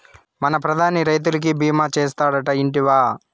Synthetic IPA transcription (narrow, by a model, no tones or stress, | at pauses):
mɐnɐpɾɐd̪ʱaːniɾɐjt̪̬ulik̬ibʱiːmaːt͡ʃeːst̪aːɽɐʈɐiɳʈiʋaː